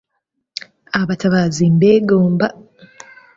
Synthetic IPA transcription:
aβataβazimbeɡoːmba

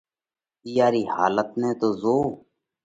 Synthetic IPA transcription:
ijaːɾiːha̰ːlət̪nẽːt̪oːzoː

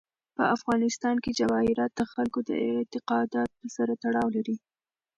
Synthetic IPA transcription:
pəafɣɑnɪst̪ɑnked͡ʒawɑhɪɾɑt̪̚d̪əxalkod̪ə̰ɪt̪ɪqɑd̪ɑt̪̚pəsaɾat̪aɽɑwlaɾi

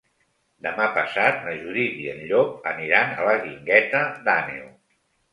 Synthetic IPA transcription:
d̪əmapəsat̪̚nəʒuðiðiənʎɔk̚əniɾanə̰ləɣiŋɡɛt̪əd̪anḛuw

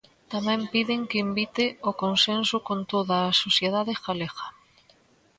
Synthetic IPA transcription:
t̪amɛ̃mpiðɪŋkɪimbit̪ɪokonsensʊkont̪oðaːsosjeðaðɪxaleɣɐ̥

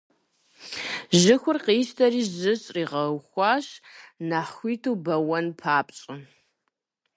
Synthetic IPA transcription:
ʑɪxʷʊrqiːʃtʰɐriːzɨɕʼriːʁɐxʷɑːɕnaːχxʷiːtʰuːbɐwɐnpʰaːpʼt͡ɕʼɪ

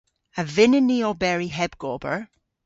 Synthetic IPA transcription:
əvɪnɪniɔbɛɹiɦɛbɡ̥ɔbə̰˞

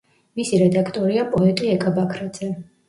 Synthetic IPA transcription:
misiɾɛd̪akʰt̪ʼɔɾiapʼɔɛt̪ʼiɛkʼabakʰɾad̪z̥ɛ

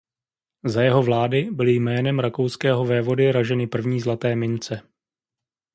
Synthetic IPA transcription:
zajɛɦo̞vlaːdɪbɪlɪjmɛːnɛmɾako̞wskɛːɦo̞vɛːvo̞dɪɾaʒɛnɪpr̩vɲiːzlat̪ɛːmɪnt͡sɛ

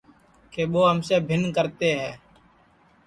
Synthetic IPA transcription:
keːɓoːɦəmseːbʱɪnkəɾt̪eːɦɛː

